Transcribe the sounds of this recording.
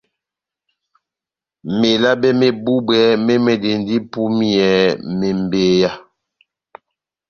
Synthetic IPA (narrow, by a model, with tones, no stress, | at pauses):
me˨la˦bɛ˦me˨bu˦bɛ˨˦me˦me˨de˨ndi˦pu˦mi˦˨ɛ˨˦me˨m˨be˨ja˦